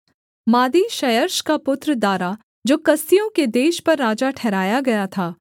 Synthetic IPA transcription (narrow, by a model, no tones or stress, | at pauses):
maːd̪iːʃɐjəɾʃkapʊt̪ɾəd̪waːɾa | d͡ʒoːkɐst̪ijõked̪eːʃpɐɾːaːd͡ʒaʈʰɛːɾaːjaɡɐjat̪ʰaː